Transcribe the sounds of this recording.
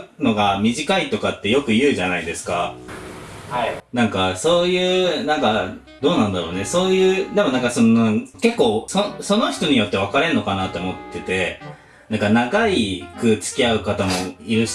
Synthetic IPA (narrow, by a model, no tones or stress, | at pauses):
no̞ɡamʲiʑikait̪o̞kat̪ːe̞jo̞kɯ̟jɯ̟ːʑanaid̪e̞sɨ̥ka | hanãŋkaso̞ːjɯ̟ːnãŋka | d̪o̞ːnãnd̪aɾo̞ːne̞so̞ːjɯ̟ːd̪e̞mo̞nãŋkasononãŋke̞kːo̞ːsoso̞no̞çi̥t̪o̞ɲ̟ijo̞t̪ːe̞β̞akaɾe̞no̞kanat̪ːe̞o̞mo̞t̪ːe̞t̪e̞ | nãŋkanaɡaikɯ̟t͡sɨ̥kʲiaɯ̟kat̪amo̞iɾɯ̟